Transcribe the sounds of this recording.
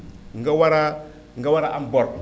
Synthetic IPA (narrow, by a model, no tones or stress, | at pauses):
ŋɡawaɾa | ŋɡawaɾaʔambɔɾ